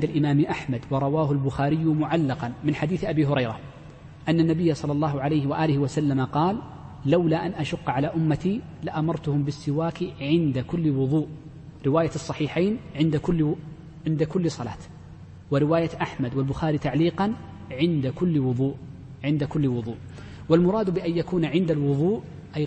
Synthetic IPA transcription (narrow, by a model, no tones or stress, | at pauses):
ʕɪnd̪alʔɪmaːmʔaħmad̪wɑɾˤɑwaːɦʊlbʊxaːɾɪjːʊmʊʕalːɑqɑnmɪnħad̪iːθʔabiːɦʊɾɑjɾˤɑ | ʔanːanːabɪjːasˤɑlːɑlˤːɑːɦʊʕalajhɪwaʔaːlɪhɪwasalːamaqɑːlː | awlaʔanʔaʃʊqːʕalaːʔʊmːat̪ilaʔamɑɾˤt̪ʊhʊmbɪsːɪwaːkiʕɪnd̪akʊlːwʊðˤuːʔ | ɾɪwaːjasˤːɑħiːħaːnʕɪnd̪akʊ | ʕɪnd̪akʊlːsˤɑla̰ːt̪ | wɪɾɪwaːjat̪ʔaħmad̪walbʊxaːɾit̪aʕliːqɑn | ʕɪnd̪akʊlːwʊðˤuːʔ | ʕɪnd̪akʊlːwʊðˤṵːʔ | walmʊɾˤɑːd̪bɪʔanjakuːnʕɪnd̪alwʊðˤuːʔ | ʔaj